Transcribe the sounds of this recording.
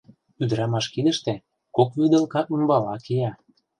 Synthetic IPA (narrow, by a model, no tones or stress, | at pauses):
yd̪əɾɑmɑʃkid̪ə̆ʃt̪ĕ | kokβyd̪ə̆lkɑʔunbɑlɑkejɑ